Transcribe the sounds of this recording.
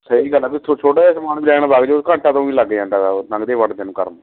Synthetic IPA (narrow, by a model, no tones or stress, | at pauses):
səiːɡəlaːpɪt̪ʰot͡ʃʰoːʈaːaːsəmaːnbɪlɛːɽ̃aːbaːɡd͡ʒoskə̃ːɳʈãːt̪õːĩːləɡeə̃ːnd̪aːd̪aːnə̃ŋɡd̪eːʋəɖd̪ẽːnũːkə̰ɾmː